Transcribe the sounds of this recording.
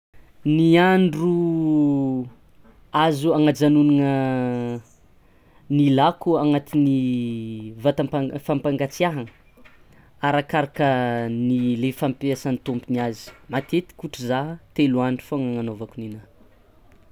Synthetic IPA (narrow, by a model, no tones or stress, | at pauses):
niaɳɖ͡ʐu | azuaŋad͡ʒanunaŋə | nilakuaŋat̪ini | vat̪ampafampaŋɡat͡siaɦaŋə | aɾakaɾakənilefampasanit̪umpiniazi̥mat̪et̪i̥kuʈ͡ʂəzaɦt̪eluaɳɖ͡ʐu̥faŋaŋanovakunina